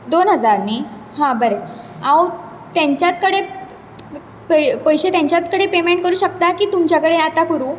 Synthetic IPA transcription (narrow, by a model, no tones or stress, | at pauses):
d̪onɦəd͡zaɾni | hãbəɾe | aw | t̪jaɲt͡ɕjat͡s̪kəɽe | pəpəjɕet̪jãɲt͡ɕjat͡skəɽepemeɳʈ̚kəɾuːɕəkt̪akiːt̪umt͡ɕjakəɽeat̪akəɾu